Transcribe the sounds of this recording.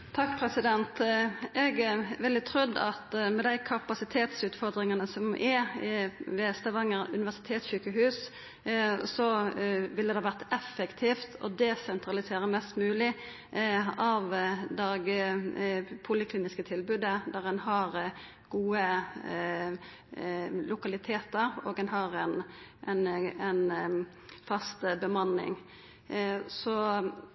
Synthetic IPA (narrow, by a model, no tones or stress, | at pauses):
t̪ʰɑkpʰɾɛsɪd̪ɛnt̪ɛɡɛʋɛld̪ɪt̪ʰɾʉd̪ːɑt̪mɛd̪æɪkʰɑpɑsɪt̪ʰeːt̪sʉːt̪fɔʁd̪ɾɪŋɑnəsɔmʔɛ | ʋeːst̪əʋɑŋːəʁʉ̰nɪʋæʁsɪ̥t̪ʰeːt̪syːkəɦʉːs | sɔʋɪlːəd̪ɛhɑʋæʁt̪ɛfːəkt̪ʰiːft̪ʰɔ̰d̪ɛsɛnt̪ɾɑlɪseːɾəmɛst̪mʉːlɪ | ɑʋd̪ɑːɡə | pʰʊlɪkliːnɪskət̪ʰɪlbʉd̪əd̪æʁɛnɦɑɾ | ɡ̥uːə | lʊkɑlɪt̪ʰeːt̪əɾoːɡɛnɦɑʁɛnʔɛnɛn | fɑst̪əbəmɑnːɪ̰ŋ | sɔ